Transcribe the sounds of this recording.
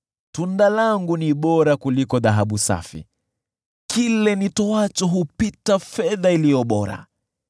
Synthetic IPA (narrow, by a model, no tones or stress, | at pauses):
tundalaŋɡuniɓɔɾakulikɔðaɦaɓusa̰fḭ | kʰilɛnitɔwat͡ʃɔɦupitafɛðailijɔɓɔɾa̰